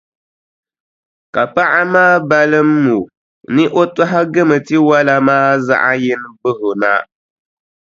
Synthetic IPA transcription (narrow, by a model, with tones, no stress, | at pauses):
ka˨pa˦ʔa˦maː˦ba˦lɨ˦mː˦u˨ | nɨ˦ʔo˦ta˦ɦa˦ɡɨ˦mɨ˨ti˦wa˦la˦maː˦za̰˦ʔa˦jɪ˦n˦bɨ˦hʊ˨na˦